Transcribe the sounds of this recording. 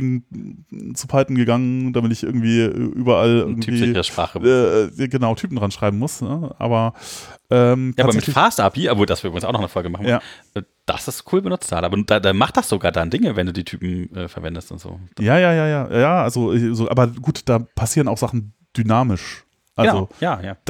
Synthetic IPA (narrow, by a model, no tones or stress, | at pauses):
ɡŋ̩ | t͡supʰaltn̩ɡəɡaŋənd̥amɪtɪçʔɪɐɡŋ̩tv̥iːʔɛ̰ʔyːbɐʔalʔɪ̰ɡŋ̩tʰyv̥iːɪəʃpʁ̥a̰ːχəɛːjaːɡənaʊtʰyːpm̩dʁanʃʁ̥aɪbm̩mʊsnəʔa̰ːbɐʔɛːmtʰabmɛmɪfaːstapiːavoːdasv̥iːʔybʁɪɡŋ̩saʊxnɔχnəfɔlɡəmaχn̩jjaːʔɛː | d̥a̰sɪstkʰuːlbənʊt͡staːlʔaːbɐnud̥adamaχtd̥asz̥oɡaːɐdandɪŋəvɛnduːdiːtʰyːpm̩ʔɛ̰ːfɛɐvɛndəstʊ̰ntz̥o̰̥ːjaːjaːjaːjaːja̰jaːʔalzoʔɛzoːʔa̰ːbɐɡuːtd̥aːpʰasiːʁənaʊxz̥aχn̩ | d̥ynaːmɪʃ | ʔalzojaːjaːd̥